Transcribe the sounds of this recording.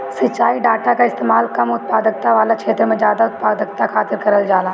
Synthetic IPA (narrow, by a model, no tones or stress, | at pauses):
sɐt͡ʃːʃaːiɖaːʈakaɪst̪eːmaːlkɐmʊt̪̚paːd̪ək̚t̪aʋaːlat͡ʃʰeːt̪ɾəmẽzjaːd̪aʊt̪̚paːd̪ək̚t̪akʰaːt̪ɪɾkɐɾəld͡ʒaːlaː